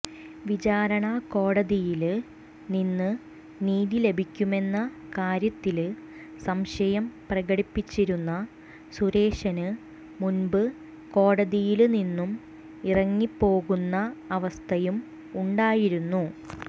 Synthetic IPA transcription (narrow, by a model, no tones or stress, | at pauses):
ʋit͡ɕaːɾɐɳɐko̞ːɽɐðijil | ninːɨ | niːðile̞bʱikʲːume̞nːɐkaːɾjɐt̪ːil | sɐmɕɐjɐmprɐɣɐɽipːit͡ɕːiɾunːɐ | suɾe̞ːʂɐnɨ | munbɨ | ko̞ːɽɐðijilninːum | irɐŋːipːo̞ːɣunːɐɐʋɐst̪ʰɐjum | uɳɖaːjiɾunːu